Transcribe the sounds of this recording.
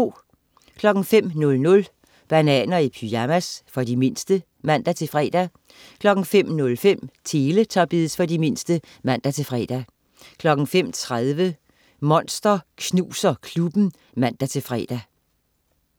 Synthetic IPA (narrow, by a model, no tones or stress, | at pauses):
kʰlɒ̽ɡ̥ŋ̩fem̰nɔ̽lnɔ̽l | b̥ænɛ̰ːnɐipʰyæmæsfɒ̽dime̝n̰sd̥ə | mæn̰d̥æt͡sʰe̝lfʁɛ̰ːd̥æ | kʰlɒ̽ɡ̥ŋ̩fem̰nɔ̽lfem̰t͡sʰe̝ːlət͡sʰɒ̈b̥ið̰ˠsfɒ̽dime̝n̰sd̥ə | mæn̰d̥æt͡sʰe̝lfʁɛ̰d̥æ | kʰlɒ̽ɡ̥ŋ̩fem̰t͡sʰʁaðˠʋə | mɒ̽n̰sd̥ɐkʰnuːsɐkʰlub̥n̩ | mæn̰d̥æt͡sʰe̝fʁɛ̰ːd̥æ